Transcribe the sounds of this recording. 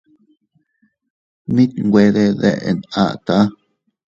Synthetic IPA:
mĩ˦t̪ŋɡʷe˧ðe˧ðḛ˧˨ʔe˨na̰˧˨t̪a˦

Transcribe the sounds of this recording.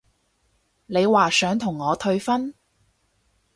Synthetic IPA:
ne˨˧jwaː˨˩sœː˨˥ŋt̪ʰʊ˨˩ŋːɔː˨˧t̪ʰɵ˧ɥfɐ˥n

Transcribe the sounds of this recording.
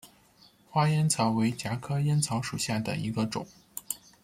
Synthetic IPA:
xwa˥jɛ˥nt͡sʰɑ˧˥ʊwe˧˥ɪt͡ɕja˧˥kʰɤ˥jɛ˥nt͡sʰɑ˧˥ʊʂu˨˩ɕja˥˩d̪ə̰˩ḭ˧˥ɡə˧ʈ͡ʂʊ̰˨˩˦ŋ

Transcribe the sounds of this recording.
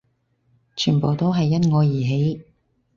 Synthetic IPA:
t͡ʃʰyː˨˩npo˨wt̪o˥wɦɐ˨jːɐ˥t̚ŋɔː˨˧jiː˨˩ɦe˨˥j

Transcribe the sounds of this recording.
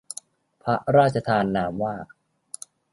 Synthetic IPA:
pʰa˦˥ʔɾaː˥˩t̪̚t͡ɕʰa˧t̪ʰaː˧nːaː˩˦mwaː˥˩

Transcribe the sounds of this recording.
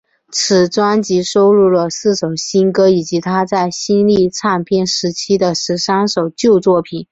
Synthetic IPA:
t͡sʰɹ̩˨˩ʈ͡ʂwa˥nt͡ɕi˧˥ʂo˥ʊɻu˥˩lə˩sɹ̩˥˩ʂo˨˩ʊɕi˥nkɤ˥i˨˩t͡ɕi˧˥t̪ʰa˥t͡sa˥˩ɪɕi˥nli˥˧˩t͡sʰa˥˩npʰjɛ˥˩nʂɻ̩˧˥t͡ɕʰi˥d̪ə˨ʂɻ̩˧˥ʂɑ˥ŋʂo˨˩ʊt͡ɕjo˥˧ʊt͡swɔ˥˩pʰi˨˩˦

